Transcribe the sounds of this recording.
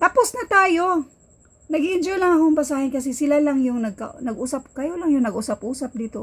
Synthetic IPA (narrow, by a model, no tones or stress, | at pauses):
t̪aposnɐt̪aːjo̞ | nɐɡɪʔɪnd͡ʒolɐŋɐkoɐŋpɐsaːhɪnkɐs̬ɛsɪlalaŋjʊŋnɐɡ̚ka̰nɐɡʔusap̚kɐjolaŋjʊŋnɐɡʔʊsap̚ʔuːsɐp̚d̪iːt̪o